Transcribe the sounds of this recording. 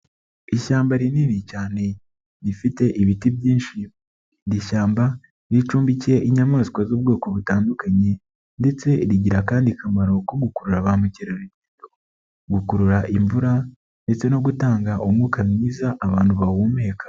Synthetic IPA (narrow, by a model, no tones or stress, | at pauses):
iʃaːmbaɾininicaːne̞ | ɾifite̞ʔiβitibjiːnʃi | diʃaːmba | ɾit͡ʃuːmbiceʔiɲamaːzi̥kwozuːb̚ɡoːkoβutaːndukaɲe̞ | nde̞t͡se̞ɾiɟiɾakaːndikʰamaɾo̞koɡukuɾuɾaβaːmuceɾaɾiβito̥ | ɡukuɾuɾaʔiɱvuɾa | nde̞t͡se̞no̞ɡutaːŋɡaʔomŋukamɲiːzaʔːβaːnhuβawumeːkḁ